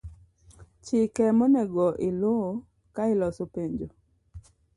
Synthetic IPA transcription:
t͡ʃɪkɛmɔnɛɡɔʔɪlo | kaɪlɔsopeɲd͡ʒo

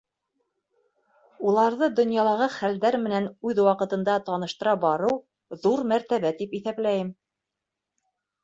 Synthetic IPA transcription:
ulˠɑɾðɤd̪ŏnjɑlˠɑʁɤχæld̪æɾmɘ̆nænʉðwɑqɤ̆t̪ɤ̆nd̪ɑt̪ɑnɤ̆ʃt̪ɤ̆ɾɑbɑɾɤw | ðuɾmæɾt̪æβæt̪ipiθæplæjɘm

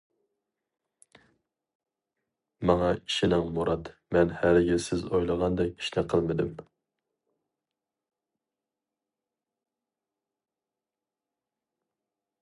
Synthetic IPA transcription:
mɑŋɑiʃinɪŋmuɾɑd̪mɛnhæɾjʲɪɾsɪzojlˠəʁɑnd̪ɛk̚ʲi̥ʃt̪ɛqʰəlˠmɨd̪ɪm

